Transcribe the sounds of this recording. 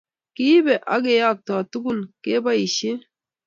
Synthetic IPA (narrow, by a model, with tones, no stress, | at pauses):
ki˦be˨ʔa̰˦ɡe˨ja˦˨k̚tɔ˨tu˦ɡu˦˨nke˦ba˦i˨ʃe˦